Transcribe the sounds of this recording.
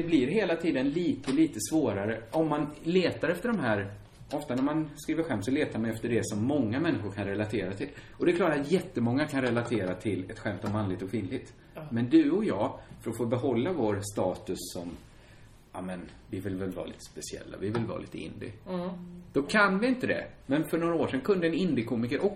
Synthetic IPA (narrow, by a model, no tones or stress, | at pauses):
d̪ɛblɪɾɦeːlat̪ʰiːd̪ənliːt̪əliːt̪əsvoːɾaɾəʔɔmːanleːt̪aɾɛft̪əɖɔmɦæːɾ | ʔɔft̪anæɾmanskɾiːvəɾɧɛmt̪sɔleːt̪aɾmanɛft̪əɖɛsɔmːɔŋːamɛnːɪɧʊɾkʰanɾɛlat̪ʰeːɾat̪ʰɪl | ɔd̪ɛkʰlɑːʈːat̪jɛt̪ːəmɔŋːakʰanɾɛlat̪ʰeːɾat̪ʰɪlɛt̪ɧɛmt̪ɔmanlɪɡ̚t̪ɔkʰviːnlɪɡ̚t̪ | mɛnd̪ɵɔjɑːfœɾɔfoːbɛɦɔlːavoːɾst̪ɑːt̪ɵsːɔm | a̰mɛnvɪvɪlvɛlvɑ̰ːɾlḭːt̪ə̥spɛsɪɛ̰lːa̰vɪvɪlvɑ̰ːlḭːt̪ə̰ɪ̰nd̪ɪ̰ | d̪̥ɔkʰanvɪɪnt̪əd̪ɛ̰mɛnfœɳoːɾaoːʂɛnkʰɵnd̪əɛnɪnd̪ɪkʰuːmɪkəɾʔɔk